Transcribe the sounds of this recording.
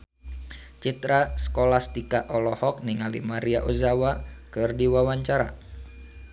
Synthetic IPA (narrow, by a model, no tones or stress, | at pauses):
t͡ʃit̪ɾasə̥kɔlast̪ikaʔɔlɔhɔk̚niŋalḭmaɾiaʔozawakɨrdiwawaɲt͡ʃaɾa̰